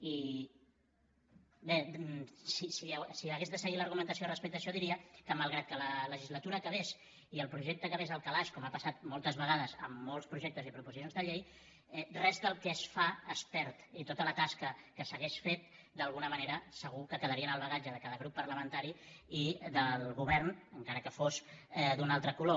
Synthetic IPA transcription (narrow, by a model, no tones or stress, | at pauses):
i | besisisiəɣezðəsəɣiləɾɣumənt̪əsiorəspɛk̚t̪əʃɔðiɾiəkəmalˠɣɾat̪̚kələləʒizlət̪uɾəːkəβ̞es | iəlˠpɾuʒɛk̚t̪əkəβezəlˠkalaʃkɔmapəsat̪̚molˠt̪əzβəɣ̞aðəzə̰mːolˠspɾuʒɛk̚t̪əzipɾupuisonzðəʎej | ɛrɛzd̪əlˠkɛsfaəspɛɾt̪it̪ot̪ələt̪askəkəsəɣeʃfet̪̚ | d̪əlˠɣunəməneɾəsəɣ̞ukəkəðəɾiənəlˠβəɣ̞ad͡ʒəðəkaðəɣ̞ɾupːərləmənt̪aɾiiðəlˠɣuβɛrnəŋkaɾəkəfosɛd̪unalˠt̪ɾəkulo